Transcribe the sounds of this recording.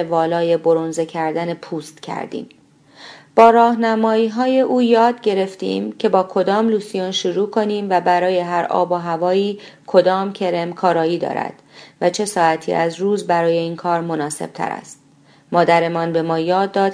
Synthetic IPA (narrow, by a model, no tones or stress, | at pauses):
evɒːlɒːje̞bo̞ɾonzecʰæɾd̪æne̞pʰuːst̪cʰæ̰ɾd̪ḭːm | b̥ɒːɾɒːhnæmɒːiːɦɒːje̞ʔuːjɒːd̪̚ɟe̞ɾe̞ft̪ḭːmcʰe̞bɒːkʰo̞d̪ɒːmluːsijunʃuɾuːkʰo̞niːmvæbæɾɒːje̞ɦæɾʔɒ̰ːboɦævɒːiːkʰo̞d̪ɒːmcʰe̞ɾe̞mkʰɒːɾɒːiːd̪ɒ̰ːɾæ̰d̪̥væt͡ʃʰe̞sɒːæt̪ʰḭːʔæzɾuːzbæɾɒːje̞iːnkʰɒːɾmo̞nɒːse̞̰b̥̚t̪ʰæ̰ɾæ̰st̪̚ | mɒːd̪æɾe̞mɒnbe̞mɒːjɒːd̪ːɒːd̪̥